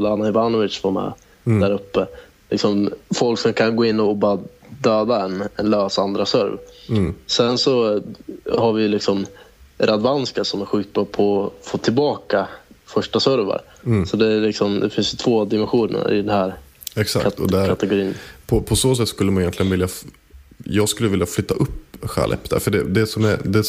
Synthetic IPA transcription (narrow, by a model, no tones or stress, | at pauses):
lːanːaɪvanʊɪʂvaɾmɛ̰ | æɾɵpːə | lɪksɔmfɔlksɔmkʰanɡoːɪnːɔbɑɾad̪øːd̪aɛnɛnløːsand̪ɾasœɾv | sɛnsɔ | haɾvɪjlɪksɔmɾʔad̪vanskaʂɔmæɾɧʉ̟ːk̪̚bɑpʰɔfoːt̪ʰɪlbɑːkafœʂʈasœɾva̰ɾ | sɔd̪ɛælɪksɔmd̪ɛfɪnsjɵt̪ʰv̥oːd̪ɪmɛnɧuːnə̰ɾɪ̰d̪ɛnhæːɾ | ɛksa̰kt̪ɔɛækʰat̪ɛɡʊɾiːnpʰɔpʰɔsoːsɛt̪ːskɵlːəmanjɛnt̪lɪənvɪlja | jɑːɡskɵlːəvɪljaflʏt̪ːaʔɵpːɧa̰lʔɛ̰pːd̪æ̰ɾfœɖɛd̪ɛsɔmɛɾd̪ɛ